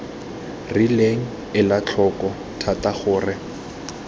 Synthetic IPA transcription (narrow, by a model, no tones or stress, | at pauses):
rileŋ̩ | ɪlat͡ɬʰɔkɔ | tʰataχʊːrɪ